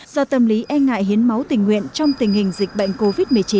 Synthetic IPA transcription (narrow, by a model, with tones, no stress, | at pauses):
z̥ɔ˧t̪ə˧˩mli˨˦ʔɛ˧nŋa̰ː˧˨jɦi˨˦ənma˨˦wt̪ï˨˩ŋ̟wḭ˧˨ənt͡ɕɔ˧wŋ͡mt̪ï˨˩ŋ̟hï˨˩ŋ̟zï˨˩k̟̚ɓə̰˧˨jŋ̟ko˧vi˦˥t̚mɨ˨˩ət͡ɕi˨˦n